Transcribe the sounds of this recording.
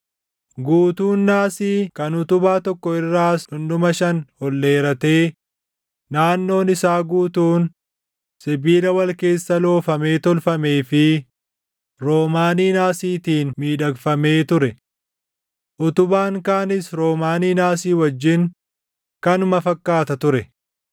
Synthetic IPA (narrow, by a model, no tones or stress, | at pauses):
ɡuːt̪uːnːaːsiːkɐnʊt̪ʊbaːt̪ɔkːɔɪrːaːsʊndʊmɐʃɐnhɔlːe̞ːɾɐt̪e̞ː | naːnːo̞ːnɪsaːɡuːt̪uːn | sɪbiːlɐwɐlke̞ːsːɐlo̞ːfɐme̞ːt̪ɔlfɐme̞ːfɪ | ɾo̞ːmaːniːnaːsiːt̪iːnmiːᶑɐɡfɐme̞ːt̪ʊɾɛ | ʔʊt̪ʊbaːŋkaːnɪsɾo̞ːmaːniːnaːsiːwɐd͡ʒːɪn | kɐnʊmɐfɐkːaːt̪ɐt̪ʊɾɛ